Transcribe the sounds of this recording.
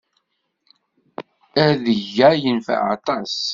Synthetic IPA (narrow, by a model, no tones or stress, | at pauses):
æðəʝːæjənfæ̰ʕɑ̰t̪ˤɑs